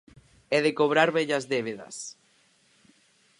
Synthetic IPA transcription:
ɛðekoβ̞ɾaɾβɛʎazðeβ̞eðɐ̰s

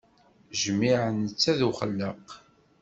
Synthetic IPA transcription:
ʒmːiʕənət͡sːæðuχəlːəq

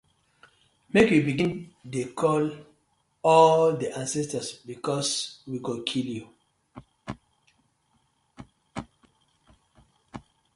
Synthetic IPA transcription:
mekjubiɡĩndekʰɔl | ɔldiʔãnsɛstasbikʰɔswiɡokʰilju

